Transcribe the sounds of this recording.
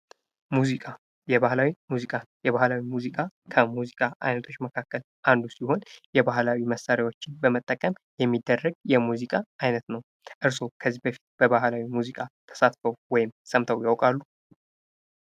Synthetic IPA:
muzikʼa | jɛβahlawimuzikʼajɛβahlawimuzikʼakʰəmuzikʼaʔa̰jnət̪ʰo̞t͡ʃːməkʰakːəl | ʔand̪usiho̞njɛbahlawiməsːaɾjwo̞t͡ʃːɪnbəmət̪ʼːəkʼːəmjɛmːid̪ːərːəɡjɛmuzikʼaʔajnət̪nəw | ʔɨɾso̞kʰəzːihbəfi̥t̪̚b̥əβahlawimuzikʼat̪ʰə̥sat̪fəwwɔjɪmsəmt̪ʰəwjawkʼalːu

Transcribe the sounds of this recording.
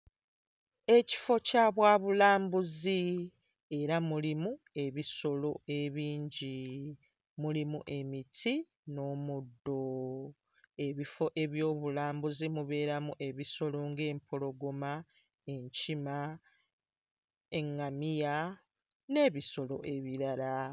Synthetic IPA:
e̞ci̥fo̞caβwaːβulaːmbuzi | e̞ɾamulimu | e̞βiso̞lo̞e̞βiːɲɟi | mulimuʔe̞mitʰi | no̞ːmudːo̞ | e̞βifo̞ʔe̞βjo̞ːβulaːmbuzimuβe̞ːɾamuʔe̞βiso̞lo̞ŋɡe̞ːmpʰo̞lo̞ɡo̞ma | e̞ɲcima | e̞ŋːamija | ne̞ːβiso̞lo̞̰ʔe̞βiɾala

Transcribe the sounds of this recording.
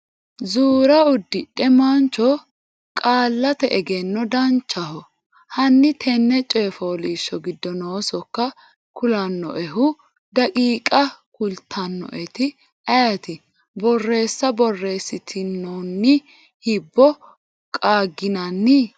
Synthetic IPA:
zuːɾɐʊd̪ːɪᶑɛmɐnt͡ʃːɔ | kʼaːlːɐt̪ɛʔɛɡɛnːɔd̪ɐnt͡ʃːɐhɔ | hɐnːɪt̪ʰɛnːɛt͡ʃʼeːfoːliːʃːɔɡɪd̪ːɔnoːsɔkːɐ | kʊlɐnːɔ̰ʔɛɦʊ | d̪ɐkʼiːkʼɐkʊlt̪ʰːɐnːɔ̰ʔɛt̪ɪ | ɐjɐt̪ɪ | bɔrːe̞ːsːɐbɔrːe̞ːsːɪt̪ʰɪnɔnːɪ | hɪbːɔ | kʼaːɡɪnɐnːɪ

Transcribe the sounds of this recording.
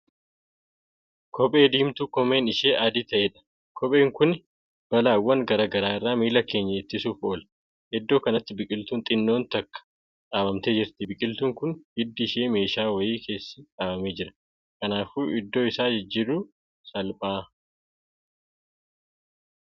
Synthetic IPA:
kʰɔpʼe̞ːd̪iːmt̪ukɔme̞ːnɪʃe̞ːʔad̪it̪ɐʔeːᶑɐ̥ | kʰɔpʼe̞ːŋkʊn | b̥ɐlaːwːɐŋɡɐɾaːɡɐɾaːɪrːaːmiːlɐke̞ːɲːɐɪt̪ːɪsuːfo̞ːlɐ̥ | hɛd̪ːo̞ːkɐnɐt̪ːɪbɪkʼɪlt̪uːnt̪ʼɪnːo̞ːnt̪ɐkːɐ̥ | kʼaːbɐmt̪e̞ːd͡ʒɪɾt̪ɪbɪkʼɪlt̪uːŋkʊnbɪd̪ːɪɪʃe̞ːme̞ːʃaːwɐjiːkʰe̞ːsːɐ̥kʼaːbɐme̞ːd͡ʒɪɾɐ̥ | kɐnaːfuːʔɪd̪ːo̞ːɪsaːd͡ʒɪd͡ʒːɪɾʊ | sɐlpʼaː

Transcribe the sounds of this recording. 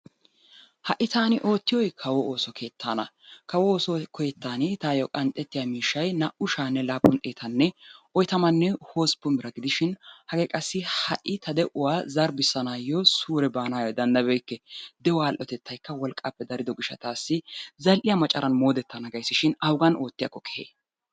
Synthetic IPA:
hɐʔːɪt̪aːnɪʔo̞ːt̪ːɪjɔjkʰɐwɔoːsɔkʰe̞ːt̪ʰːaːnɐ | kɐwɔoːsɔkʰɔjɛt̪ːaːnɪt̪aːjɔkʼɐnt̪ʼːɛt̪ːɪjamiːʃːɐjnɐʔʊʃaːnːɛlaːpːʊnt̪ʼeːt̪ɐnːɛʔɔjt̪ɐmɐnːɛho̞ːspːʊmɪɾɐɡɪd̪ɪʃɪnhɐɡɛkʼɐsːɪhɐʔːɪt̪ʰɐd̪ɛʔʊwaːzɐɾbɪsːɐnaːjɔsuːɾɛbaːnaːjɔd̪ɐnd̪ɐbɛjkːɛd̪ɛwɔaːlʔɔt̪ɛt̪ʰːɐjkːɐwɔlkʼːɐpːɛd̪ɐɾɪd̪ɔɡɪʃːɐt̪aːsːɪzɐlʔɪjɐmɐt͡ʃʼɐɾʔɐnmo̞ːd̪ɛt̪ːɐnɐɡɐjsːɪʃɪnɐwɡɐno̞ːt̪ːɪjɐ̰kːɔkɛ̥hḛː

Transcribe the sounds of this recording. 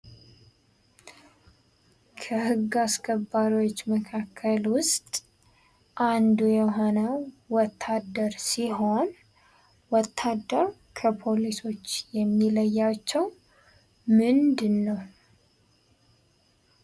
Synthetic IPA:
kʰəhɨɡːaskʰəbːaɾiwot͡ʃːməkʰakʰːəlwʊst̪ʼ | ʔand̪ujɛɦo̞nəwwɔt̪ʰːad̪ːəɾsiɦo̞n | wɔt̪ʰːad̪ːəɾ | kʰəpʰoliso̞t͡ʃːjɛmːiləjːat͡ʃːɛw | mɨnd̪ɨnːəw

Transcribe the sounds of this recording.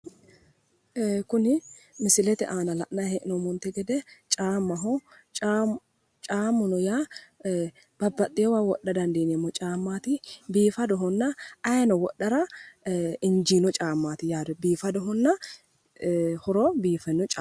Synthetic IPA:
kʊnɪmɪsɪlɛt̪ɛ̰ʔaːnɐlɐ̰ʔnɐhɛʔɪnɔmɔnt̪ɛɡɛd̪ɛt͡ʃʼaːmːɐɦɔ | t͡ʃʼaːmːʊnɔjaː | b̥ɐbːɐt̪ʼːɪjɔwawɔɗːɐd̪ɐnd̪eːnemːɔt͡ʃʼaːmːaːt̪ɪbiːfɐd̪ɔɦɔnːɐɐjɐnɔwɔɗːɐɾɐ | ɪnd͡ʒiːnɔt͡ʃʼaːmːaːt̪ɪjaːd̪ɔbiːfɐd̪ɔɦɔnːɐ | hɔɾɔbiːfɛnːɔt͡ʃʼa

